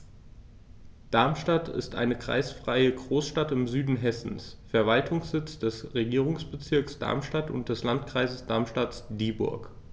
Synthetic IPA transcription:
d̥aɐmʃtatʰɪ̰stʔa̰ɪnəkʁ̥a̰ɪsfʁ̥aɪəɡʁoːsʃtatɪmzyːdn̩ɦɛsn̩sfɛɐvaltʰʊŋsz̥ɪt͡sd̥ɛsʁeɡiːʁ̞ʊŋsb̥ət͡sɪɐksd̥a̰ɐmʃtatʊ̰nt̚d̥ɛslantkʁ̥aɪzəsd̥aɐmʃtasd̥iːbʊ̰ɐk

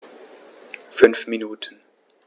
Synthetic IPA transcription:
fʏnfminuːtʰən

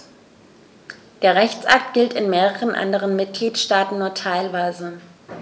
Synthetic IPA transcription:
d̥eːɐʁɛçt͡sʔak̚tɡ̥ɪltɪnmeːʁəʁənʔa̰ndəʁ̞ənmɪt̚ɡ̥liːtʃtaːtn̩nːuːɐtʰaɪlvaɪzə

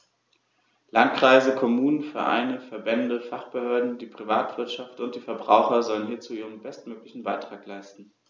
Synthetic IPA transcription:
lantkʁ̥aɪzəkʰɔmuːnənfɛɐʔa̰ɪnəfɛɐbɛndəfaχb̥əhøːɐdn̩diːpʁ̥ivaːtv̥ɪɐtʃaftʊnt̚d̥iːfɛɐbʁaʊxɐzɔlənhiːɐt͡suːʔiːʁənbɛstmøːklɪçn̩baɪtʁ̥aːklaɪstn̩

